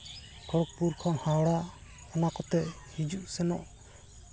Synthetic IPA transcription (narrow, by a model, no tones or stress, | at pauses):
ɡɔɽɔk̚puɾkʰɔnhaɽa | ɔnakɔt̪ɛ | hid͡ʒuʔsɛnɔ̰ʔ